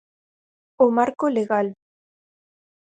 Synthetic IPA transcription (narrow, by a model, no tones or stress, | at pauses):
omaɾkoleɣal